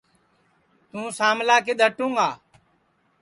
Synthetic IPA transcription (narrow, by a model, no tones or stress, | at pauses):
t̪ũːsaːmlaːkeːɗ̪ʱəʈũːŋɡaː